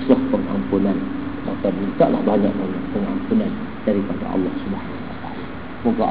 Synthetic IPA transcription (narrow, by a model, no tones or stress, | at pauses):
slahpəŋa̰mpunan | ma̰kamint̪aʔla̰hbaɲaʔ̚baɲaʔ̚pəŋa̰mpunan | daɾipada̰ʔɑ̰lːɑhsubaɦanawat̪aʔala | mokaʔ